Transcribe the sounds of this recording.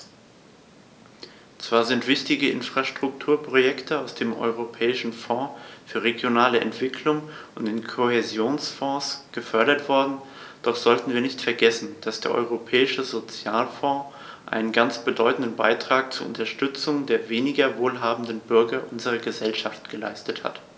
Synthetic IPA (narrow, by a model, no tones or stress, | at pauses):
t͡sv̥aːɐzɪntv̥ɪçtɪɡəʔɪ̰nfʁ̥aʃtʁ̥ʊktʰuːɐpʁ̥ojɛktəaʊsd̥eːmʔɔ̰ʏʁ̞opʰɛːɪʃn̩fɔ̃ːfyːɐʁeɡjonaːləʔɛ̰ntv̥ɪkʰlʊŋ | ʔʊntɪnkʰohezjoːnsfɔ̃ːsɡ̥əfœɐɾɐtv̥ɔɐdn̩ | d̥ɔχz̥ɔltn̩viːɐnɪçtfɛɐɡɛsn̩d̥asd̥ḛːɐʔɔ̰ʏʁopʰɛːɪʃəzot͡sjaːlfɔ̃ː | ʔa̰ɪnənɡant͡sb̥ədɔʏtn̩dən̩baɪtʁ̥aːk̚t͡suɐʊ̰ntɐʃtʏt͡sʊŋdeːɐveːnɪɡɐvoːlɦaːbm̩n̩dən̩bʏɐɡɐʔʊnzəʁ̞ɐɡəzɛlʃaftɡ̥əla̰ɪstətha̰t